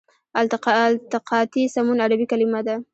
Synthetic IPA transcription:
alt̪lt̪ɪqʰɑt̪isamunad̪abikalɪmad̪a

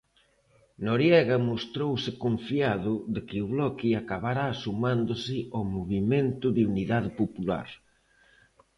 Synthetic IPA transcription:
noɾjɛɣɐmost̪ɾowsɪkoɱfiaðʊðɪkɪʊβlɔkiakaβaɾaːsumãnd̪ʊsɪɔmoβimẽnt̪ʊðeuniðaðɪpopula̰ɾ

